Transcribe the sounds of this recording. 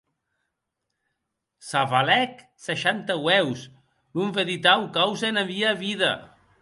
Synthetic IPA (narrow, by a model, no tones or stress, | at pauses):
saβalɛk | səʃant̪əwɛws | nuɱveðit̪awkawzeenaβiaβiða̰